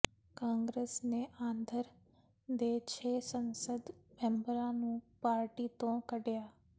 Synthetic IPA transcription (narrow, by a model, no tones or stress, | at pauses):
kãːŋɡɾeːsneʔãːnd̪ʱəɾ | d̪eːt͡ʃʰeːsə̃nsəd̪mẽmbəɾãnũːpaːɾʈit̪õkəɽjaː